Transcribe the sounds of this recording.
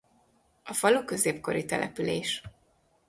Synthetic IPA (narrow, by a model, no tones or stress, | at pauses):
ɒfɒloːkø̞zeːpko̞ɾit̪ɛlʔɛ̰pyleːʃ